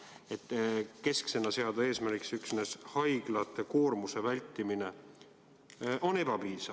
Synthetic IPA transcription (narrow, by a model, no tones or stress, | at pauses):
et̪ːke̞skse̞nɑse̞ɑd̪̥ɑe̞ːsmæɾɡiksyksneshɑjɡ̥lɑt̪ːˑe̞ko̞ːrmuse̞vælʲt̪ːimine̞ | ʔo̞ne̞b̥ɑpiːsɑv̥